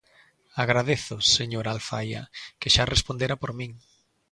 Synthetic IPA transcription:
aɣɾaðeθʊseɲoɾalfa̰ja̰keʃarespond̪eɾapoɾmĩŋ

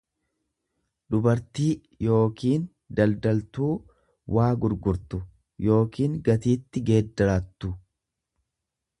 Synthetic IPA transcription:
d̪ʊbɐɾt̪iː | jo̞ːkiːn | d̪ɐld̪ɐlt̪uː | waːɡʊɾɡʊɾt̪ʊ | jo̞ːkiːŋɡɐt̪iːt̪ːɪɡe̞ːd̪ːɐɾat̪ːʊ

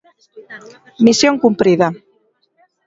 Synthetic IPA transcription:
misjoŋkumpɾiða

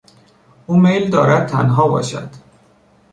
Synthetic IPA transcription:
ʔuːmejld̪ɒːɾæd̪̚t̪ʰæ̰nɦɒːbɒ̰ːʃæ̰d̪̥

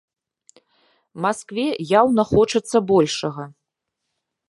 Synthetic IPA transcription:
maskvʲɛjawnɐxɔt͡ʂɐt̪sːɐbɔlʲʂɐɣɐ

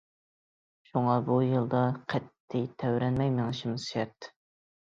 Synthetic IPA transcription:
ʃuŋɑbujɨlˠd̪ɑqʰɛt̪ʰːit̪ʰɛwɾɛnmɛjmeŋɨʃɪmzʃɛɾt̪ː

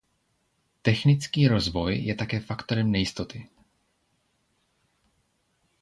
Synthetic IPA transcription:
t̪ɛxnɪt͡skiːɾo̞zvo̞jjɛt̪akɛːfakt̪o̞ɾɛmnɛjɪst̪o̞t̪ɪ

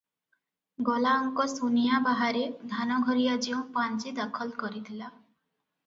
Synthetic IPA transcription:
ɡɔlaɔŋkɔsunijabaɦaɾed̪ʱanɔɡʱɔɾijad͡ʒiũpant͡ʃid̪akʰɔlkɔɾit̪ʰila

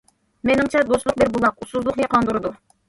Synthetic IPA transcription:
menɪŋt͡ʃʰɛd̪oslˠʊq̚beɾbulˠɑqusulˠd̪ʊqjɑqʰɑnd̪uɾɨd̪u

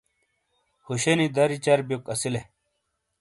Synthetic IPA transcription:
huɕenid̪ɐɾit͡ɕɐɾbjokɐsile

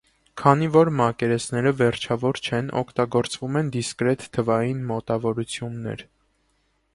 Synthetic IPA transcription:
kʰɑnivɔɾmɑkɛɾɛsnɛɾəvɛɾt͡ʃʰɑvɔɾt͡ʃʰɛnɔ̰kʰt̪ɑɡɔɾt͡svumɛnd̪iskɾɛt̪ʰːəvɑjinmɔt̪ɑvɔɾut͡sʰjunːɛ̰ɾ

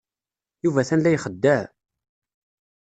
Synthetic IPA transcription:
juvæθænlæjχəd̪ːæ

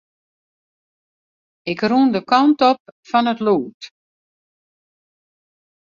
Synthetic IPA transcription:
ɪkrundəkɔntɔp̚fɔnətluːt

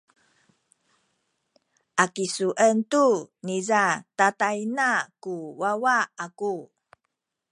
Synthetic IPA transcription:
ʔakisuʔəntunizatatainakuwawaaku

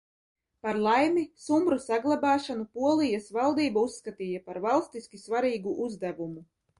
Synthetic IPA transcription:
paɾlˠajmisumbɾusaɡlˠabɑːʃanupuɔlˠijasvalˠd̪iːbausːkat̪iːjapaɾvalˠst̪iskʲisvaɾiːɡuʔuzd̪ævumu

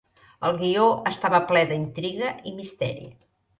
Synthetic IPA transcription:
əlˠɣioəst̪aβəplɛðəint̪ɾiɣəʔimist̪ɛ̰ɾḭ

